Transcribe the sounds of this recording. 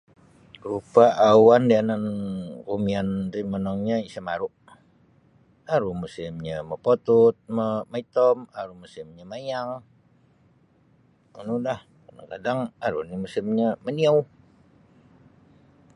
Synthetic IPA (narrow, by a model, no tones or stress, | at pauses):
rupaʔawandianankumiandimənɔŋɲaisamaɾʊʔ | aɾumusɪmɲaməpot̪ut̪̚məmait̪ɔmaɾumusɪmɲamajaŋ | unudah | kada̰ŋkadaŋaɾṵnimusɪmɲaməniaw